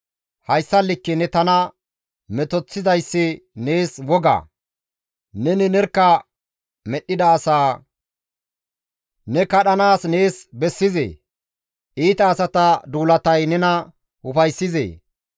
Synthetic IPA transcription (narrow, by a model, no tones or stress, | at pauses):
hɐjsːɐlːɪkːɛnɛt̪ɐnɐ | mɛt̪ɔt͡sːɪzɐjsːɪne̞ːswɔɡa̰ː | nɛnɪnɛɾkːɐ | mɛɗːɪd̪ɐːsaː | nɛkɐɗɐnaːsne̞ːsbɛsːɪzḛː | ʔiːt̪ɐːsɐt̪ɐd̪uːlɐt̪ɐjnɛnɐ | ʊfɐjsːɪzḛː